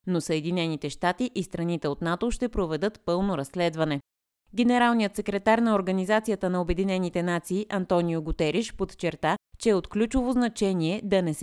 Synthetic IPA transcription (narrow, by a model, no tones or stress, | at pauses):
nosəɛd̪inɛnit̪ɛʃt̪at̪iʔist̪ɾɐnit̪ɛot̪nat̪oʃt̪ɛpɾovɛd̪ɤt̪pɤlˠnoɾɐsːlɛd̪vɐnɛ | ɡʲɛnɛɾalˠnijət̪sɛkɾɛt̪aɾnɐoɾɡɐnizat̪sijət̪ənɐobɛd̪inɛnit̪ɛnat̪siːʔɐnt̪ɔnijoɡʊt̪ɛɾiʃpot̪t͡ʃɛɾt̪at͡ʃɛot̪klʲut͡ʃovoznɐt͡ʃɛniɛd̪ɐnɛs